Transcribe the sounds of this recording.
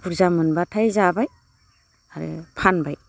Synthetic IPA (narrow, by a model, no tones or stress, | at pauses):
puɾzamɯnbatʰajzabaj | aɾɯ̰pʰanbaj